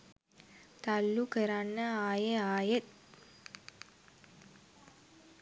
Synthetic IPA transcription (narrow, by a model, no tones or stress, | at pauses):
t̪alːukəɾanːəaːjeaːjet̪̚